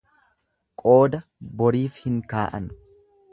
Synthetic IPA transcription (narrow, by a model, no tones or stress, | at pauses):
kʼo̞ːd̪ɐbɔɾiːfhɪŋkaːʔɐ̰n